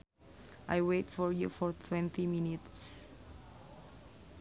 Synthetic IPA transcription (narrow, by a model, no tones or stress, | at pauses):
ʔajwetfɔɹjufɔɹt̪ʰwɛ̃nt̪iminits